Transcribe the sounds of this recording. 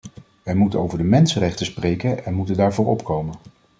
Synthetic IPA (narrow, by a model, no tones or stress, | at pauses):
ʋɛjmutənowvəɹdəmɛnsərɛχtəsprejkənɛnmutəndaːɹvʊːɹɔpkowmən